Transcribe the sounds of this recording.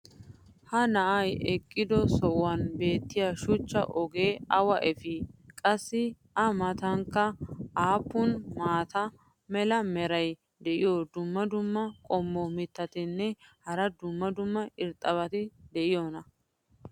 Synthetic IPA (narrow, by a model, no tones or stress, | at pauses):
hɐnɐʔɐjɛkʼːɪd̪ɔsɔʔwɐnbe̞ːt̪ːɪjaʃʊt͡ʃːɐ̰ʔɔɡe̞ːɐwɐʔɛfɪkʼɐsːɪ | ʔɐmɐt̪ɐŋkːɐaːpːʊnmaːt̪ɐ | mɛlɐmɛɾɐj | d̪ɛʔɪjoːd̪ʊmːɐd̪ʊmːɐkʼɔmːɔmɪt̪ːɐt̪ɪnːɛhɐɾɐd̪ʊmːɐd̪ʊmːɐɪɾt̪ʼɐβɐt̪ɪd̪ɛʔɪjoːnɐ